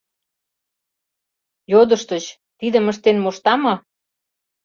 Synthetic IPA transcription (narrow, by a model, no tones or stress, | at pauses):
jod̪ə̆ʃt̪ə̆t͡ɕ | t̪id̪ə̆məʃt̪enmoʃt̪ɑmɤ